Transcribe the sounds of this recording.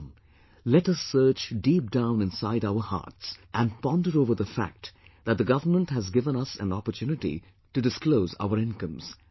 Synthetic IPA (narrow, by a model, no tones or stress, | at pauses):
lɛʈʌsɜ˞t͡ʃdiːp̚d̥ãʊ̃nɪ̃nsaɪɾaʊə˞hɑ̰ːɹtsʔæ̃npɑ̃ndəɾoʊvəɾðəfæ̰k̚tðæt̪̚d̪əɡʌvəmə̃nthæzɡɪvə̃nʌsæ̰̃nɔpə˞tʰjʉnɨʈḭ | tɨdɨskloʊza̰ʊəɾɪ̃nkʌ̃mz̥